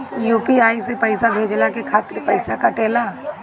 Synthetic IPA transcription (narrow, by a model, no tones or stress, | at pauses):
juːpiaːisepəɪsabʱeːd͡ʒlakekʰaːt̪ɪɾpəɪsakaʈeːlaː